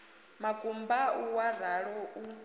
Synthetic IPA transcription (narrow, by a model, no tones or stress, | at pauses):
makʼumbauwaraɺɔu